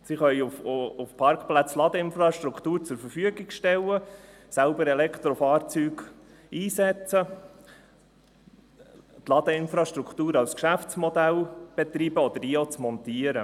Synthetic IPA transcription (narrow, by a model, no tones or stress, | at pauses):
siχœjufufpʰɑɾkχplæt͡slɑd̪əɪnfɾɑʃt̪ɾukχt̪uːɾt͡sʊɾfəɾfyəɡɪɡʃtɛlːə | sælbəɾɛlɛkχt̪ɾɔfɑːɾt͡syːɡ | iːsɛt͡sə | t̪lɑd̪əɪnfɾɑʃtɾukʰt̪uːɾɑlskʃæft͡smɔd̪ælb̥et̪ɾiːbəɔd̪əɾiot͡smɔnt̪iəɾə